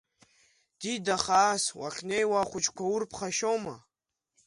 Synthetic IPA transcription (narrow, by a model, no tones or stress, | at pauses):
d̥idaχaːswa̰χʲʰnejwaχʷʊt͡ʃʰʼkʷʰaʊrpʰχaʃoma